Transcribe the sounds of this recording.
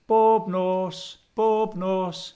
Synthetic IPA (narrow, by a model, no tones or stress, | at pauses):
b̥ɔːbnɔsb̥ɔbnɔs